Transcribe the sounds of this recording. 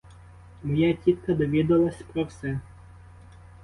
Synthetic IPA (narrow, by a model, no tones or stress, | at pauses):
mɔjatʲit̪kɐd̪ɔʋʲid̪ɐlˠɐsʲpɾɔwsɛ